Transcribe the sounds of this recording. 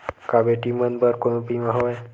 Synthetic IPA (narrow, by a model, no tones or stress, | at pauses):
kabeʈimənbəɾkoɽ̃ũpimãɦoj